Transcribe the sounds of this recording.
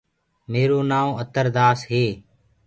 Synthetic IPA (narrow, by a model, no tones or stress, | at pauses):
meːɾoːnaːʋ̃ət̪əɾd̪aːsɦeː